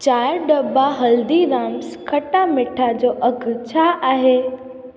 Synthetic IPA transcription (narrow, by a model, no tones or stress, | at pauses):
t͡ɕaːɾɖɐbaɦɐld̪iɾaːmskɐʈamɪʈʰad͡ʑoːʔɐɡʱt͡ɕʰaːʔaːɦeː